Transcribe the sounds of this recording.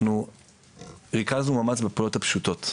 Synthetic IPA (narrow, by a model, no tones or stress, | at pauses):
nu | ʁikaznumamat͡sbepolo̞thapʃuto̞t